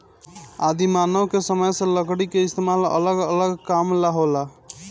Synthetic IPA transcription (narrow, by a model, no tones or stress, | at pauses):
ad̪imanəʋkesəməjseləɡɽikeist̪emalə̰ləɡələɡkamlaɦola